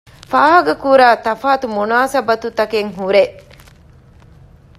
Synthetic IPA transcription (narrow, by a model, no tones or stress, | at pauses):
faːɦɐɡɐkuːɾaːt̪ɐfaːt̪umunaːsɐbɐt̪ut̪ɐkeŋɦuɾe